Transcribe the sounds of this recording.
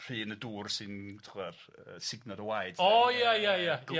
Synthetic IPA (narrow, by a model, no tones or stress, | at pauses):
r̥ɨːnəduːrsɨntʰɪχwɛr | əsɪɡnadəwajd̥ɔjajajaa